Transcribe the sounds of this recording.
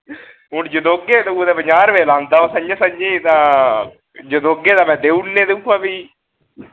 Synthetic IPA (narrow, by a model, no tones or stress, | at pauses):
ɦʊnd͡ʒəd̪oːɡeːt̪eod̪eːbəɲaːɾʋeːlãːnd̪aːõːsəɲd͡ʒãːsəɲd͡ʒiːt̪ãː | d͡ʒəd̪oːɡeːd̪aːmɛ̃ːd̪eːunnẽːd̪eukːaːbiː